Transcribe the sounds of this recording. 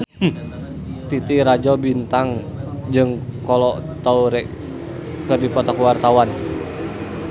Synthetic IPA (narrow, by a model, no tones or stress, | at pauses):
t̪it̪iɾad͡ʒɔbint̪aŋd͡ʒɨŋkɔlɔt̪auɾɛʔ | kərdipɔt̪ɔkəwart̪awan